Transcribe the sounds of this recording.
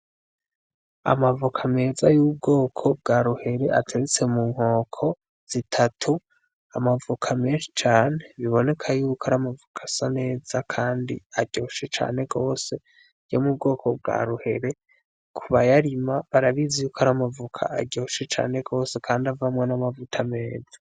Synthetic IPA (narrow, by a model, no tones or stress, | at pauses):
a̰mavukʰame̞ːzajub̚ɡo̞ːkʰo̞b̚ɡaɾuhe̞ɾe̞ʔa̰tʰeɾet͡se̞muːŋ̥ho̞ːkʰo̞ | z̥itʰatʰu | amavukʰame̞ːnʃi̥t͡ʃaːne̞βiβo̞ne̞kʰajuːkʰoaɾamavukʰḁsane̞ːz̥akʰaːndḭaɟo̞ʃet͡ʃa̰ːne̞ɡo̞ːse̞ | jɟomubɡo̞ːkʰo̞b̚ɡa̰ɾuhe̞ɾe̞ | kʰuβajaɾimaβaɾaβizejuːkʰoaɾamavukʰa̰ːɟo̞ʃet͡ʃa̰ːne̞ɡo̞ːse̞kʰaːndiavamŋenamavutʰame̞ːzḁ